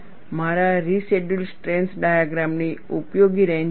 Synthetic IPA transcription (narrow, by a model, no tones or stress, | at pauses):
maɾaɾiseɖulsʈɾẽnsɖajaɡɾamniupjoɡiɾen